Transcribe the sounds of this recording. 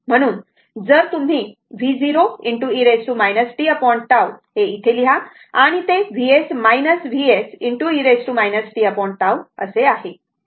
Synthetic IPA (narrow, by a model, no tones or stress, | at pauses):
m̤əɽ̃uːn | d͡zəɾt̪um̤iː | ʋʱid͡ziɾoiɳʈuiɾesʈumajnəsʈiəpɔiɳʈʈawheiʈʰeliɦa | aɽ̃it̪eʋʱiesmajnəsʋiesiɳʈuiɾesʈumajnəsʈiəpɔɳʈ̚ʈawəseaɦe